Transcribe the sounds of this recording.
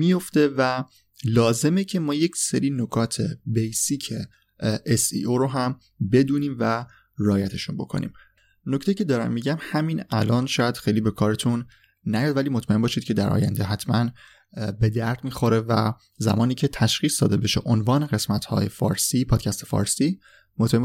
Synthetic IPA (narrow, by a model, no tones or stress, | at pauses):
mijo̞ft̪e̞væ | lɒːze̞mecʰe̞mɒːje̞cʰseɾiːno̞kʰɒːt̪ʰe̞̰bejsiːcʰe | esḭːʔoɾoɦæm | be̞d̪uːniːmvæ | rɒːjæt̪ʰe̞ʃunbo̞̰kʰo̞̰nḭːm | noct̪e̞jiːcʰe̞d̪ɒːɾæ̰mːiːɟæmhæmiːnælɒːnʃɒːjæd̪̥xejliːbe̞kʰɒːɾet̪ʰunː | æjɒːd̪væliːmot̪ʰmæʔembɒːʃiːd̪̚cʰe̞d̪æɾʔɒ̰ːjæ̰nd̪eɦæt̪ʰmæn | be̞d̪æɾd̪miːxo̞ɾe̞væ̰ | zæ̰mɒːniːcʰe̞t̪ʰæʃχiːsd̪ɒ̰ːd̪e̞be̞ʃḛʔonvɒːne̞ɣe̞smæt̪hɒ̰ːjefɒ̰ːɾsiːpʰɒːd̪̥cʰæst̪efɒ̰ːɾsiː | mot̪mæe